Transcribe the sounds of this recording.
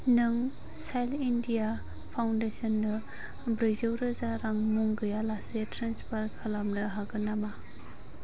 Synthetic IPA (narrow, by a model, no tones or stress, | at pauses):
nɯŋ | sajlindija | pʰawndesɔndɯ | bɾɯzɯwɾɯzaɾaŋmuŋɡɯjalasetɾanspʰaɾkʰalamnɯɦaɡɯnama